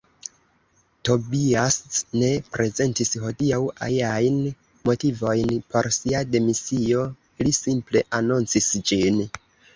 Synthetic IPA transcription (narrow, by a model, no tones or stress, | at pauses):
to̞biastne̞pɾʔe̞ze̞ntisho̞diawa̰liajn | mo̞tivo̞jnpo̞ɾsiade̞misio̞ | lisimple̞ʔanunt͡sisd͡ʒin